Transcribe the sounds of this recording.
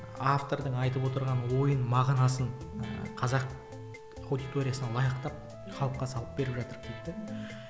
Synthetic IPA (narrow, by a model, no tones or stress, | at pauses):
aft̪o̞ɾd̪əɴɑjt̪əpwo̞t̪əɾʁɑnwo̞jənmɑʁnɑsəɴqʰɑzɑq | ɑwd̪it̪o̞ɾʲijasənɑlˠɑjəqt̪ɑp̚ | χʰɑlˠəp̚qːɑsɑlˠəp̚be̞ɾɪpʒɑt̪əɾkʲʰep̚t̪ɪ